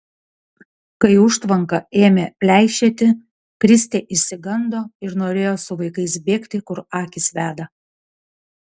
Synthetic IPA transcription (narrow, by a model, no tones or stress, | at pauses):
kɐɪʊʃt̪ʋɐŋkɐeːmʲepʲlʲæˑɪʃʲeːt̪ʲɪ | kɾʲɪsʲt̪ʲeːʔɪʃʲsʲɪɡɐnd̪oːɪɾnoːɾʲeːjoːsʊʋɐɪkɐɪs̬bʲeːkt̪ʲɪkʊɾɑːkʲɪsʋʲæːd̪ɐ